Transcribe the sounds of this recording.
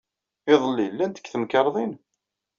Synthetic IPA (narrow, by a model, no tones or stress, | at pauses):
ɪðˤəlːilːænt̪ə̥kːθəmkɑɾˤðˤin